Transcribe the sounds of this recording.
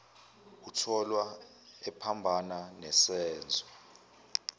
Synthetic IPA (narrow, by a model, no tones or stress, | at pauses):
utʰɔlwa | ɛpʰambʱananɛsɛːnd͡zʱɔ